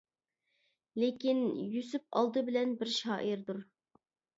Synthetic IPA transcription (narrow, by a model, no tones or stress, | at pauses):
lekʲinjysyp̚ɑ̰lˠd̪ɨbɪlɛnbɪɾʃɑːʔiɾd̪uɾ